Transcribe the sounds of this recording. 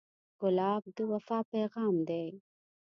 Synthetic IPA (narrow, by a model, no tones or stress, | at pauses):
ɣʊlɑːb̚d̪əwɐfɑːpeɣɑːmd̪e